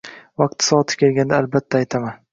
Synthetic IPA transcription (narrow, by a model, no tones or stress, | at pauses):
vɑq̚t̪sɒɒt̪ʰɪ̥kʲe̞lɡʲand̪aːlbat̪ʰːaːjt̪ʰaman